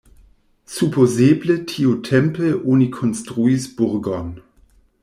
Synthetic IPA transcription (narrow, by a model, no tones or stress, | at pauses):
supʰozeːblətʰiotʰɛmpəʔunikʰɔnstʁuisb̥ʊʁɡɔn